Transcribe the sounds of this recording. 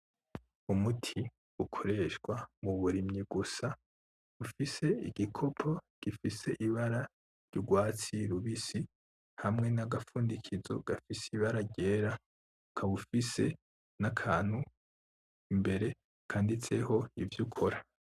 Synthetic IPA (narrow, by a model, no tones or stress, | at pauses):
umutʰi | ukʰo̞ɾe̞ʃɡwamuβuɾimɲiɡusa | ufise̞ḭɡ̥ikʰo̞pʰo̞ɡ̥ifise̞ʔiβaɾa | ɾɟ̥uɡwaːt͡siɾuβisi | hamŋe̞naɡafuːndikʰizo̞̰ɡ̥afisiβaɾaɟe̞ːɾa | kʰaβufise̞ | nakʰaːn̥hu | imbe̞ɾe̞ | kʰaːndit͡se̞ho̞ivjukʰo̞ɾa